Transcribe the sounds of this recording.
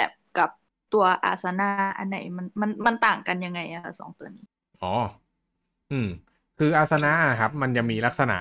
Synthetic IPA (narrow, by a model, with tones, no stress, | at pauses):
bɛ̰ː˨˩p̚ka˨˩p̚ | t̪u˧ɐʔa̰ː˨˩t̪̚sa˧na˧˥ʔʔa̰˧nːa̰˧˩jma˧nma˧nma˧nt̪aː˨˩ŋka˧nja˧ŋːa˧jʔa˧˩kʰa˦˥sɔ̰ː˩˦ŋt̪u˧ɐniː˦˥ | ʔɔː˩˦ | ʔɯː˧˩m | kʰɯː˧ʔaː˧˩t̪̚sa˧na˦˥ʔkʰa˦˥p̚ma˧nja˨˩ŋmiː˧la˦˥k̚sa˧na̰˨˩ʔ